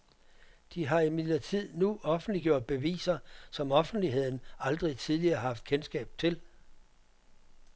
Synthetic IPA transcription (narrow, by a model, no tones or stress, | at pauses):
d̥iɦɑ̈imiɐt͡sʰið̰ˠnuɒ̽fn̩d̥liɡ̥jo̝ɐ̰d̥̚b̥e̝ʋḭːsɐsɒ̽mɒ̽fn̩d̥liɦe̝ð̞̰ˠn̩ɑ̈ld̥ʁit͡sʰiðˠliɐːɦɑ̈fd̥kʰensɡ̥ɛ̰ːb̥̚t͡sʰe̝l